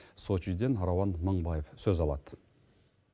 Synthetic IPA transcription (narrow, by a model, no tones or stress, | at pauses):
sot͡ʃid̪enɾowɑnməɴbɑjefsɵzɑlˠɑd̪̥ə